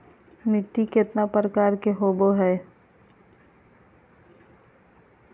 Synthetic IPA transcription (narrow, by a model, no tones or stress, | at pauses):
mɪʈ̪ːikɪt̪napɾəkaːɾkeɦoːboɦɛː